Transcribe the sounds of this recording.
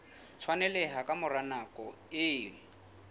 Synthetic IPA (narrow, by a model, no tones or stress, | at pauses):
t͡sʰwanɛlɛɦakʼamʊranakʼɔ | ɪːɪ